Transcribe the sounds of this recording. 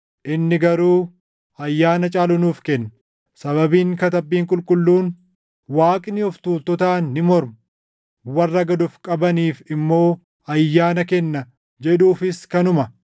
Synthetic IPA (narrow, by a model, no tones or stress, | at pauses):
ʔɪnːɪɡɐɾuː | ɐjːaːnɐt͡ʃʼaːlʊnuːfkɛnː | sɐβɐbiːŋkɐt̪ɐbːiːŋkʼʊlkʼʊlːuːn | waːkʼnɪɔft̪uːlt̪ɔt̪aːnːɪmɔɾmʊ | wɐrːɐɡɐd̪ʊfkʼɐbɐniːfɪmːo̞ː | ɐjːaːnɐkɛnːɐ | d͡ʒɛᶑuːfɪskɐnʊmɐ